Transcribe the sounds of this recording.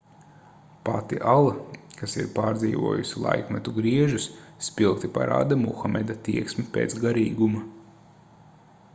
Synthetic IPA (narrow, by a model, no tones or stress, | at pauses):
pat̪ḭʔalˠakasiɾpaːɾd̪ziːʋṵɔjusilˠa̰jkmɛt̪uɡɾiɛʒusːpʲilˠkt̪ipa̰ɾʔa̰ːd̪amuxamɛd̪at̪iɛksmipeːt̪sɡaɾiːɡumɐ